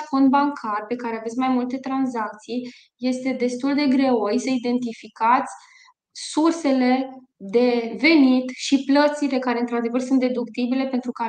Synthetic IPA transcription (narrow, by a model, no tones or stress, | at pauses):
fo̞nd̪̚baŋkʰarpe̞kaɾe̞avesʲmajmult̪e̞t̪ɾanzak̚t̪sij | je̞st̪e̞d̪e̞st̪uld̪e̞ɡɾe̞wojsəid̪e̞nt̪ifikat̪sʲ | surse̞le̞ | d̪e̞ve̞nit̪ʃiplət̪sile̞kaɾe̞ɨnt̪ɾad̪e̞vərsunt̪ɾe̞d̪ukt̪ibile̞pe̞nt̪ɾuka